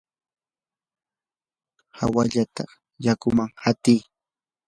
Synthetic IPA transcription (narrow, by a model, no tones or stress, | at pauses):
hawaʎat̪a | jakʊmaŋhat̪ij